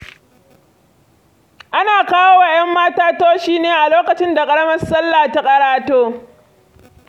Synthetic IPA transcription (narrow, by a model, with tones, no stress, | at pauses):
ʔa˦naː˨kaː˦woː˦wa˨j̰ɐ˦mːaː˦taː˦toː˦ʃiː˦neː˨ʔa˨loː˦kɐ˨t͡ʃɪ˦nda˨kʼɐ˦ɽɐ˦mɐ˦rsɐ˦lːaː˨ta˦kʼɐ˨ɾaː˦toː˦